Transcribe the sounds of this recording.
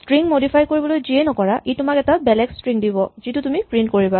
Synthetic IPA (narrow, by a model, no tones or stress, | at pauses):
stɹiŋmodipʰajkoɹibɔlojziɛnɔkɔɹaʔitʊmakɛtabɛlɛkstɹiŋdibɔzitutumipɹint̚koɹiba